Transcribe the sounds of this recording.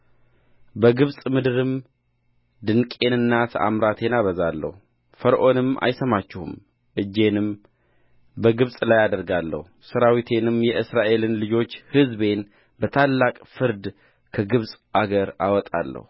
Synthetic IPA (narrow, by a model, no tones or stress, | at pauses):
bəɡɨβsʼmɨd̪ɨɾɨm | d̪ɨnkʼe̞nɨnːat̪ʰʔa̰mɾat̪ʰe̞naβəzalːə̰hu | fəɾʔo̞nɨma̰jsəmat͡ʃːɪhṵm | ʔɨd͡ʒːe̞nɨm | bəɡɨβsʼlajad̪əɾɡalːə̰husəɾawit̪ʰe̞nɨmjɛʔɨsɾaʔe̞lɨnlɨd͡ʒo̞t͡ʃːhɨzbe̞n | bət̪ʰalːakʼfɨɾd̪ | kʰəɡɨβsʼʔaɡəɾawɔt̪ʼa̰lːə̰hu